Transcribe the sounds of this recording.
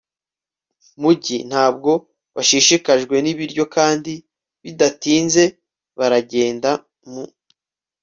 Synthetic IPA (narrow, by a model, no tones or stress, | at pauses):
muɟin̥haːb̚ɡo̞ | βaʃiːʃikaʒɡwe̞niβiɾɟo̞kaːndi | βidatiːnze̞ | βaɾaɟe̞ːnda | mu